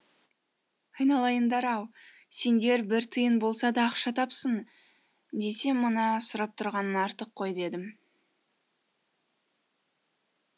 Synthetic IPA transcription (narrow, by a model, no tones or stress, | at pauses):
ɑjnɑlˠɑjənd̪ɑɾɑw | se̞nd̪e̞ɾbɪɾt̪ʰəjənbo̞lˠsɑd̪ɑːqʃɑt̪ʰɑpsən | d̪e̞se̞mənɑsʊɾɑp̚t̪ʰʊɾʁɑnənɑɾt̪əqʰːo̞jd̪e̞d̪ɪm